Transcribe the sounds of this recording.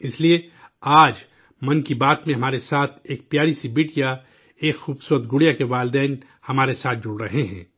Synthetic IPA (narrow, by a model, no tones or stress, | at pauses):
ɪslie | aːd͡ʒ | mɐnkibaːt̪mẽɦɐmaːɾesaːt̪ʰeːk̚pjaːɾisibiʈja | eːkxuːbsuət̪̚ɡʊɽijakeʋaːld̪ɛːn | hɐmaːɾesaːt̪̚ʰd͡ʒʊɽɾɐɦeɦɛ̰̃ː